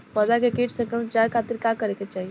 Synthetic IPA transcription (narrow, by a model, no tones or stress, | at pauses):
pəd̪akekeʈsə̃ŋkɾəmt͡ʃaɾkʰat̪iɾkakəɾeket͡ʃaɦi